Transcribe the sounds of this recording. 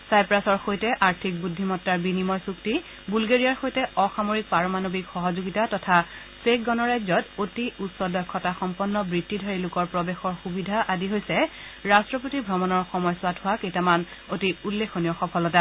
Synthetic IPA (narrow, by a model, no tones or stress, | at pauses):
sajpɹasɔɹxojtɛʔaɹtʰik̚budʱːimɔtːaɹbinimɔjsukti | bulɡeɹijaɹxojtɛɔxamoɹik̚paɹɔmanobikxɔɦɔzoɡitatɔtʰa | sekɡɔnɔɹajzɔtotiutsɔdɔkʰːɔtaxɔmpɔnːɔbɹitʰːidʱaɹilʊkɔɹpɹɔbexɔɹxubidʱaʔadiɦojsɛɹastɹɔp̬otibʱɹɔmɔnɔɹxɔmɔjswadʰʱʊwakejtaman | otiulːekʰonijɔxɔpʰɔlɔta